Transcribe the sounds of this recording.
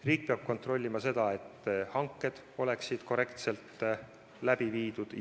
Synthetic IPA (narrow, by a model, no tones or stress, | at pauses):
riːk̚peɑb̥̚ko̞nt̪ro̞lʲːimɑse̞d̪ɑe̞t̪ːhɑŋkːˑe̞d̪̥ | o̞le̞ksid̪̥ko̞ɾe̞kt̪se̞lt̪ːˑ | læb̥iviːd̪̥ud̪̥